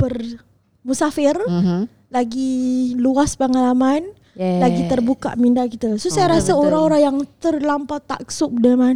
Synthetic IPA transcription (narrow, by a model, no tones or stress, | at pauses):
pər | musafɪr | laɡiluaspəŋalaman | laɡit̪ərbuka̰ʔmindaʔkit̪əsosajaɾasəoɾaŋoɾaŋjaŋt̪ərlampat̪a̰ʔksʊʔ̚dəman